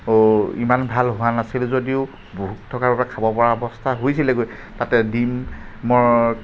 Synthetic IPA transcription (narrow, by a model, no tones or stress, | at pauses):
ḭmanbʱalɦʊanasilzodiʊ | boɦutʰːɔkaɹbabakʰabɔpɔɹaɔbɔstʰaɦojsilɛɡoj | tatɛdimːɔɹ